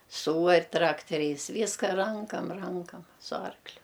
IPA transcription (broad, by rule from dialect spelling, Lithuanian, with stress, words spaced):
ˈsuːɐrʲ ˈtrɑːktʲɛrʲɛɪs ˈʋʲiːskɐ ˈrɐŋkɐm ˈrɐŋkɐm sʊ ˈɐrklʲʊ